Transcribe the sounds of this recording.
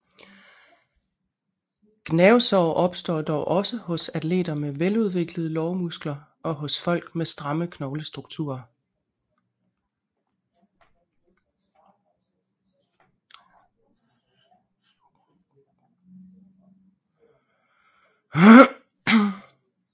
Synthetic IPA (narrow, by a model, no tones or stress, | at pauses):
ɡ̥nɛʊsɒʊʔɒ̽b̥sd̥ɒ̰ːd̥ɒʊʔɒ̽səhɔ̽sæt͡sle̝̰ːd̥ɐmeʋeluð̞ˠʋe̝ɡ̥ləð̞̩ˠəlɒʊmusɡ̥lɐ | ʔɒ̽ɦɔ̽sfɒ̽l̰ɡ̥mesd̥ʁɑ̈məkʰnɒʊləsd̥ʁuɡ̥t͡sʰṵːɐ